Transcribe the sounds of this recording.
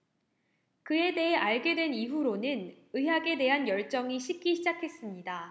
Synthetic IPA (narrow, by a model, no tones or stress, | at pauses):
kɯe̞de̞ɦe̞ʔaɭɡe̞dwe̞niɦuɾonɯn | ɯɦjaɡe̞de̞ɦanjʌɭt͡ɕ͈ʌŋiɕʰip̚k͈iɕʰid͡ʑakʰe̞s͈ɯmɲida